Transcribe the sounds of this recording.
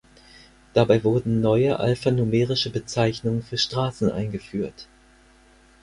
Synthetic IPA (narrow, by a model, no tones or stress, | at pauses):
d̥abaɪvʊɐdn̩nɔʏəʔa̰lfanumeːʁ̞ɪʃəbət͡saɪçnʊŋənfyːɐʃtʁ̥aːsn̩ʔa̰ɪnɡəfyːɐt